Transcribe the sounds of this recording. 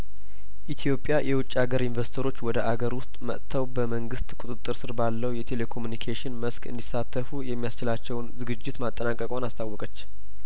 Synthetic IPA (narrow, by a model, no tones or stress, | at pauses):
ʔit̪ʰjo̞pʼːjajɛwʊt͡ʃʼːaɡəɾɪnvəsi̥t̪ʰəɾo̞t͡ʃːwɔd̪əʔaɡəɾwʊst̪ʼmə̰ʔt̪ʰːəwbəməŋɡɨst̪ʼkʷʼut̪ʼɨt̪ʼːɨɾsɨɾbalːəwjɛt̪ʰe̞le̞kʰo̞munikʰeʃɪnməskɨ̰nd̪isat̪ʰːəfujɛmːijast͡ʃɪlat͡ʃːɛwnzɨɡɨd͡ʒːɪt̪mat̪ʼːənakʼəkʼwanast̪ʰawːɔkʼət͡ʃː